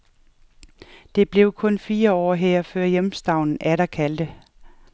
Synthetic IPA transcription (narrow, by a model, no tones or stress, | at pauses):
d̥e̝b̥le̝ʊkʰɔ̽nfiːɐɒ̰ːɦeɐ̰føɐ̰jemsd̥ɑ̈ʊ̰nn̩æɾækʰæld̥ə